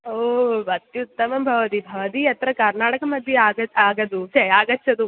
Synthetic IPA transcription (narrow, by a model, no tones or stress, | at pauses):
obɐt̪juut̪ːɐmɐmbʱɐʋɐt̪iːbʱɐʋɐt̪iːjɐt̪ɾɐkɐɾnaːʈɐkɐmɐd̪ʱːjeaɡɐaɡɐd̪ut͡ɕeaɡɐtːt͡ɕʰɐt̪u